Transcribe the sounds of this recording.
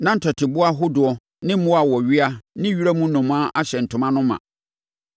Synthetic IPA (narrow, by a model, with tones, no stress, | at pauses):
nã˦n̩˨tʰɔ˨tʰɪ˨bʊ˦a˦ɦʊ˦dʊ˨ɔ˨ | nɪ̃˦m̩˦mʊ̃˦a˨wɔ˨ɥi˦a˦nɪ̃˦ɥi˦ɾa˦mũ˦nʊ̃˨m˦ã˦ʔa˦ɕɛ˨n̩˨tʰʊ̃˨mã˦nʊ̃˦mã̰˨